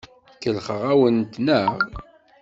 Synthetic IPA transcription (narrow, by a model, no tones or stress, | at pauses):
kːəlχəʁæwənt̪nəʁ